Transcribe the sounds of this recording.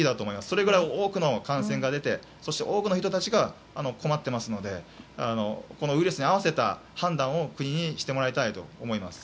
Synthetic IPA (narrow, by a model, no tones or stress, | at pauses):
id̪at̪o̞ːmo̞imasɨ̥so̞ɾe̞ɡɯ̟ɾaio̞ːkɯ̟no̞kãɰ̃sẽ̞ŋɡad̪e̞t̪e̞ | so̞ɕi̥t̪e̞ʔo̞ːkɯ̟no̞çit̪o̞t̪at͡ɕiɡaː | no̞kʰo̞mat̪ːe̞masɨno̞d̪e̞ano̞̰ko̞no̞ɯ̟iɾesɨɲiaβ̞ase̞t̪a̰hãnd̪ãɰ̃o̞kɯ̟ɲ̟iɲ̟iɕi̥t̪e̞mo̞ɾait̪ait̪o̞̰ːmo̞imasɨ̥